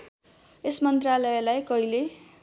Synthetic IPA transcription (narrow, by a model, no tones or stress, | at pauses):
esmʌnt̪ralʌelajkʌɦile